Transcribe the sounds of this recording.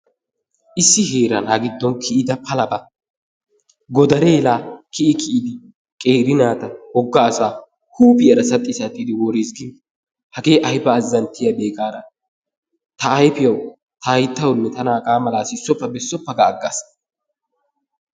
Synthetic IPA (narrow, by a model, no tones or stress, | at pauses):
ʔɪsːɪɦeːɾɐnaɡɪd̪ːɔnkʰɪʔɪd̪ɐpʰɐlɐbɐ | ɡɔd̪ɐɾeːlaːkɪʔɪkʰɪʔɪd̪ɪ | kʼeːɾɪnaːt̪ɐhɔɡːaːsaː | huːpɪjɐɾɐsɐt̪ʼːisɐt̪ʼːiːd̪ɪwɔːɾisɡɪ | hɐɡe̞ːʔɐjbɐːzːɐnt̪ːɪjabeːkʼaːɾɐ | t̪ɐːjpɪjɐw | t̪ɐjt̪ːɐwnːɛt̪ɐnaːkʼaːmɐlaːsɪsːɔpːɐbɛsːɔpːɐɡɐːɡːa̰s